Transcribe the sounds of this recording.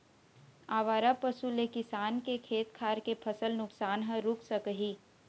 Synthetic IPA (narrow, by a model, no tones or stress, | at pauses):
aːʋaːɾapəsulekɪsaːnkekʰeːt̪kʰaːɾkepʰɐsəlnʊksaːnɦə̃ɾʊksəkəɦiː